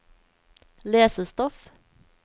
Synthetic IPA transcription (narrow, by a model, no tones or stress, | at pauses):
leːsəst̪ɔf